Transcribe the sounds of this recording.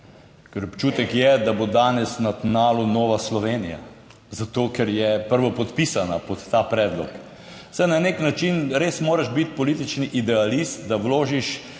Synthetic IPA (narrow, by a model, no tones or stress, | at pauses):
kɛɾɔpt͡ʃuːt̪ɛkjɛd̪abod̪aːnɛsnat̪naːlunɔːʋaslɔʋeːnija̰ | zat̪oːkɛɾjɛpəɾʋɔpɔt̪pisanapɔt̪ːaːpɾɛːd̪lɔ̰k | sɛjnaneknat͡ʃinɾeːsmoːɾaʃbit̪̚pɔlit̪it͡ʃniʔid̪ɛalist̪d̪awloːʒiʃ